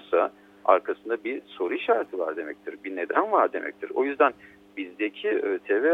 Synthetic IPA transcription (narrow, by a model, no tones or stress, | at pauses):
sa | a̰ɾkʰasɯnd̪abiso̞ɾuʃaɾt̪ʰɯva̰ɾd̪e̞mɛ̰c̚t̪ʰiɾbine̞d̪ænvaɾd̪e̞̰mɛ̰c̚t̪ʰiɾo̞̰jyzd̪æn | bizd̪ecʰiøt̪ʰevɛ